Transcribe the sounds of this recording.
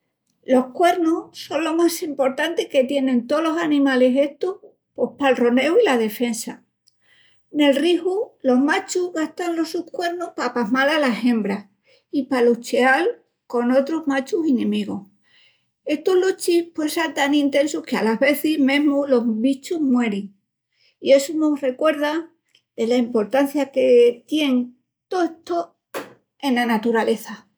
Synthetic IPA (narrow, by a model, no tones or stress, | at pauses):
lo̞hkwe̞ɾnuhso̞nlo̞masimpo̞ɾt̪ant̪eke̞t̪jenẽ̞nt̪o̞lo̞sanĩmale̞se̞ht̪oh | po̞hpalro̞ne̞wilaðe̞fe̞nsa | ne̞lrihulo̞ɦmat͡ʃuɦɣaht̪anlo̞suhkwe̞ɾnuhpapaɦmalalasẽ̞mbɾa | ipalut͡ʃeal | ko̞no̞t̪ɾo̞zmat͡ʃusinẽmiɣ̞o | e̞st̪oɦlot͡ʃipwe̞sant̪anĩnt̪ẽ̞nsuhkealaɦβe̞θiɦmẽ̞ɦmulo̞ɦβit͡ʃuɦmwe̞ɾeŋ | iesuno̞re̞kwe̞ɾða | d̪e̞laimpo̞ɾt̪an̟θjake̞t̪je̞ŋ | t̪ot̪o | e̞nanat̪uɾale̞θa